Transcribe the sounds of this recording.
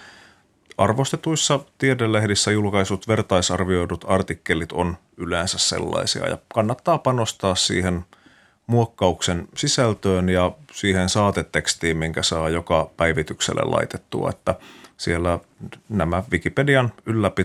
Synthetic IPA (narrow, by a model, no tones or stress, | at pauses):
ɑrʋost̪et̪uisːɑt̪iedelːehdisːæjulkɑisut̪ʋert̪ɑisɑrʋio̞idut̪ɑrt̪ikːelit̪on | yleːnsæssḛlːɑ̰isḭɑ̰jɑ̰kɑnːɑt̪ːɑːpɑnost̪ɑːssḭːhen | muokːɑuksensisælt̪øːnjɑsiːhensɑːt̪et̪ːekst̪iːmmiŋkæsɑːjokɑpæiʋit̪yksḛlːḛlʔɑ̰it̪et̪ːuɑ̰et̪ːæsielːænæmæʋikipediɑnylːæpi